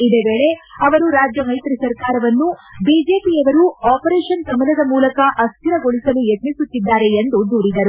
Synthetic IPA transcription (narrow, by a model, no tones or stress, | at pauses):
id̪eːʋeːɭe̞ɐʋɐɾuɾaːd͡ʒjɐmɐjt̪ɾisɐɾkaːɾɐʋɐnːubiːd͡ʒe̞ːpiɐʋɐɾuaːpɐɾɛːʂɐnɡɐmɐnɐd̪ɐmuːlɐkɐʔɐst̪iɾɐɡoɭisɐlujet̪nisut̪ːid̪ːaːɾe̞end̪ud̪uːɾid̪ɐɾu